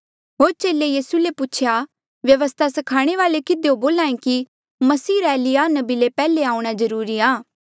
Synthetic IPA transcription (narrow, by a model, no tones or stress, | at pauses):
ɦoːɾt͡ʃeːlejiːsulepʊt͡ʃʰja | ʋjɐʋəst̪ʰasɐkʰaːɽ̃eʋaːlekɪd̪eoboːlaːẽki | mɐsiːɾɛːlɪjanɐbilepɛːleaːũɽ̃azɐɾuːɾiaː